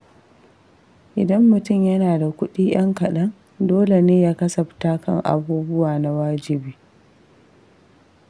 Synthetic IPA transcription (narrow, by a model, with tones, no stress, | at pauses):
ʔɪ˨dɐ˦mːʊ˨tʊ˦˨mjɐ˦naː˨da˨kʷʊ˦ɗiː˦j̰ɐ˦ŋkɐ˨ɗɐ˦ŋ | doː˦le˨neː˦jaː˦kɐ˦sɐ˨ɸtaː˦kɐ˦˨ŋʔa̰˨buː˦bʊ˦waː˨na˨waː˦d͡ʒɪ˨biː˦